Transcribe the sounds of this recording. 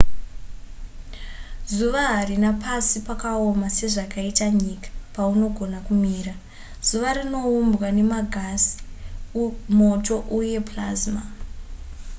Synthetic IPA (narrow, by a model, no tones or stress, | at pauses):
zuʋaɦarinapasipakaomase̞ʐakaitaɲikḁpauno̞ɡʱo̞nakumiːra | z̥uʋaɾino̞umbwane̞maɡʱasi̥ | mo̞to̞ʔuje̞plazma